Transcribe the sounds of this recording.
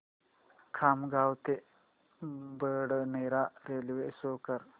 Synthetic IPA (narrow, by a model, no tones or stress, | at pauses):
kʰamɡawt̪e | bəɽneɾaɾelʋesokəɾ